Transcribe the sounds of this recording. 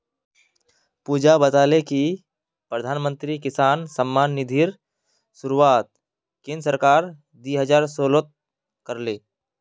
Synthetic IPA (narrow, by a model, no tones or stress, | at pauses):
puːd͡ʒabət̪aːleki | pɾəd̪ʱaːnmə̃nt̪ɾikɪsaːnsəmːaːnːɪd̪ʱiːɾ | sʊɾuaːt̪̚ | kɪ̃nsəɾkaːɾ | d̪iːɦəd͡ʒaːɾsoːlət̪̚ | kəɾleː